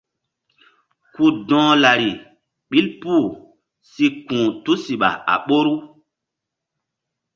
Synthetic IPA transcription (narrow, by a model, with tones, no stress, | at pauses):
ku˦dɔ̃ː˦la˨ɾi˨ | ɓi˦lpuː˦˨ | si˦kũː˨tu˦si˨ɓa̰˨a̰˨ɓo˦ɾu˦